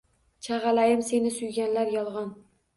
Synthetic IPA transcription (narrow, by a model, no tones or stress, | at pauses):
t͡ʃʰaʁɑlajɪmse̞nɪsʊjɡʲanlaɾjɒlˠʁɒn